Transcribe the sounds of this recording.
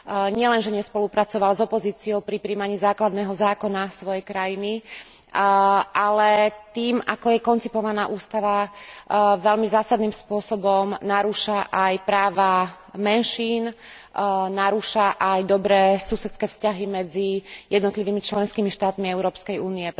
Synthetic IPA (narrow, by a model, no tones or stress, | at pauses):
ɲɪɛlɛnʒɛɲɛspɔlupɾat͡sɔʋalzɔpɔziːt͡siɔʊpɾipɾiːmaɲiːzaːklad̪nɛːɦɔzaːkɔnasʋɔjɛjkɾajini | ʔalɛt̪iːmakɔjɛkɔnt͡sipɔʋanaːʔuːst̪aʋa | ʋɛlmizaːsad̪niːmspʊɔsɔbɔmnaɾuːʃaʔajpɾaːʋa | mɛnʃiːn | naɾuːʃaʔajd̪ɔbɾɛːsusɛt̪t͡skɛːfscaɦimɛd͡zijɛd̪nɔt̪liʋiːmit͡ʃlɛnskiːmiʃt̪aːt̪miɛʊɾɔːpskɛjuːniɛ